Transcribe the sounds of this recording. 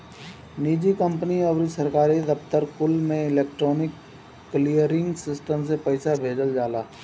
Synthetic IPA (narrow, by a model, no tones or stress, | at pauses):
niːd͡ʒikə̃mpəniɔʋɾisɐɾkaːɾid̪ɐpt̪əɾkʊlmẽɪleːk̚ʈɾoːnɪkː | lijəɾɪ̃ŋɡsɪsʈəmsepɐɪsabʱeːd͡ʒəld͡ʒaːlaː